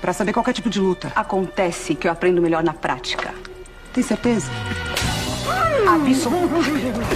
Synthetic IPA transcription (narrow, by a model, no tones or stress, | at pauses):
pɾɐsabeɾkwawkɛɾt͡ʃipʊd͡ʒɪlut̪ɐakõnt̪ɛsɪkɪewapɾẽnd̪ʊmeʎɔɾnɐpɾʔa̰t͡ʃi̥kɐ̰ | t̪ẽj̃seɾt̪ezɐ | abiso